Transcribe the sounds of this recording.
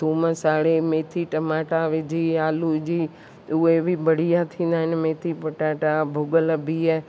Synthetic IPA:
uːməsaːɽemeːt̪ʰiʈɐmaːʈaʋɪd͡ʑiaːlud͡ʒiː | ʊebɪbɐɽ̤ijat̪ʰĩːn̆d̪aːɦɪnɪmeːt̪ʰipɐʈaːʈabʱʊɡəlbiː

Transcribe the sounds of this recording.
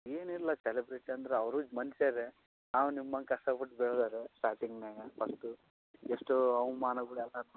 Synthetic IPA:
eːniɾlɐselibɾeʈiɐnd̪ɐɾeɐʋɾuːd͡ʒmɐnseɾe | naːwunimːɐŋkɐʂʈɐpuʈbɛɭd̪aɾesʈaːɾʈiŋɡneːɡɐpʰɐsʈu | eʂʈoɐʋumaːnɐɡuɽɛlːan

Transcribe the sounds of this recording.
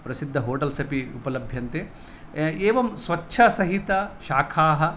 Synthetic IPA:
pɾɐsid̪ʱːɐɦoːʈɐlsɐpiupɐlɐbʱjɐnt̪eː | eːʋɐmsʋɐtːʃʰɐsɐɦit̪ɐʃaːkʰaːɦɐ̆

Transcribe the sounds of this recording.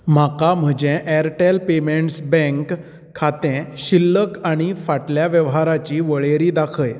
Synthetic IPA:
m̤akam̤əd͡ʑɛ̃ʔɛɾʈelpemeɳʈsbɛ̃ŋkʰː | at̪ɛ̃ɕilːəkaɽ̃ifaʈljaʋjəʋɦaɾat͡ɕiːʋəɭeɾiːd̪akʰəj

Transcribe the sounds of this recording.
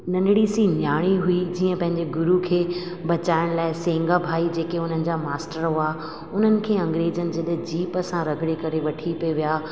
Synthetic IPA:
nɐnɪɽisinjaːɽ̃iɦuid͡ʑiːə̃pɐ̃ɦɪ̃ɲd͡ʑeɡʊɾukʰeː | bɐt͡ɕaːɪɽ̃laːɪsẽːŋɡabʱaːid͡ʑeːkeʊn̤ənɪ̆d͡ʑaːmaːsʈəɾaː | ʊn̤ənɪ̆kʰeːɐ̃ŋɡɾeːd͡ʑənɪ̆d͡ʑeɗed͡ʑiːpɐsãɾɐɡʱɽekɐɾeʋɐʈʰipoʋijaː

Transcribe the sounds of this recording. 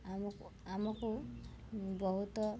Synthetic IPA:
amkamɔku | bɔɦut̪ɔ

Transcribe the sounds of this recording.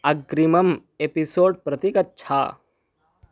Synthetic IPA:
ɐɡɾimɐmepisoːɖpɾɐt̪ikɐt̚ːt͡ʃʰa̰ː

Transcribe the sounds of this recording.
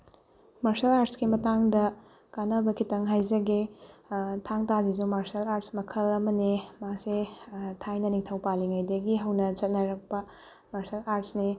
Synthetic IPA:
maɾsɐlaɾtskimɐtaŋdɐ | kanɐbɐkʰitɐŋɦajzɐɡe | tʰaŋtazizumaɾsɐlaɾtsmɐkʰɐlɐmɐnimasetʰajnɐniŋtʰɐwpaliŋajdɐɡiɦɐwnɐt͡ʃɐt̚nɐɾɐk̚pɐ | maɾsɐlaɾtsni

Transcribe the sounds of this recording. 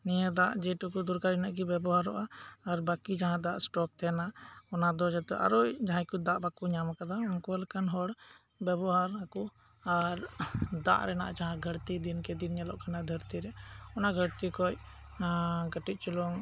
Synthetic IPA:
nijəd̪aʔd͡ʒɛʈɔkud̪uɾkaɾinaʔɡibɛbɔɦaɾɔ̰ʔaːɾbakid͡ʒaɦãd̪aʔsʈɔk̚t̪ɛnaɔnad̪ɔd͡ʒat̪ɛʔa̰ɾɔʔd͡ʒaɦãkud̪aʔbakuɲamakad̪aunkɔalɛkanɦɔɽ | bɛbɔɦaɾaku | aɾd̪a̰ʔɾɛna̰ʔad͡ʒaɦãɡʱəɽt̪id̪inkɛd̪inɲɛlɔ̰ʔkʰanad̪ʱəɾt̪iɾɛɔnaɡʱəɽt̪ikɔj | ɡəʈit̪̚ˀt͡ʃulɔŋ

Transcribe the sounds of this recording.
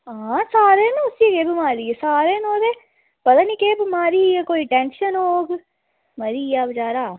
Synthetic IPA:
ɦasaːɾenʊsiekeːbɪmaːɾiesaːɾenoːd̪e | pɐt̪anikeːbɪmaːɾijekoːiʈẽːnʃənɦoːɡ | mɐɾiaːbd͡ʒaːɾaː

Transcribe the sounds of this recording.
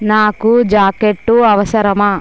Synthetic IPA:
naːkud͡ʒaːkeʈːuɐʋɐsɐɾɐma

